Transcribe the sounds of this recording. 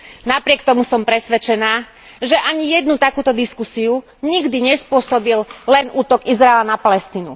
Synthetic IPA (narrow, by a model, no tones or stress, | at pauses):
napɾɪɛkt̪ɔmusɔmpɾɛsʋɛt͡ʃɛnaː | ʒɛʔaɲijɛd̪nut̪akuːt̪ɔd̪iskusiu | ɲiɡd̪iɲɛspʊɔsɔbillɛnʔuːt̪ɔɡizɾaɛlanapalɛst̪iːnṵ